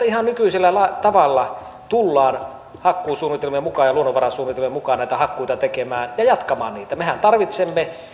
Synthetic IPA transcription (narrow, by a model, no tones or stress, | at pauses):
ɑihɑnnykyiselːælɑˑt̪ɑʋɑlːɑ | t̪ulːɑːn | hɑkːuːsuːnːˑit̪elmemukɑːjjɑluonːoʋɑɾɑsuːnːit̪elmemukɑːnnæˑit̪æhɑkːuit̪ɑt̪ekemæːnjɑjɑt̪kɑmɑ̰ːnniːt̪æmehænt̪ɑrʋit̪semːe